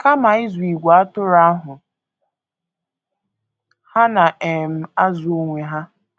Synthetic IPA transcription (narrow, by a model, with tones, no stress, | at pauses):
ka˦ma˨ɪ˦zu˨i˨ɡʷa˨a˦tʊ˦ɾa˦ɦʊ˨ | ha˦na˨ʔe˨m̩˦a˦zʊ˨o˦ŋʷe˨ɦa˦